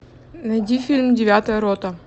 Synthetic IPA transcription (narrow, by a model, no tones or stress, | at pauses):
nɐjdʲifʲilʲmdʲɪvʲat̪əjəɾot̪ə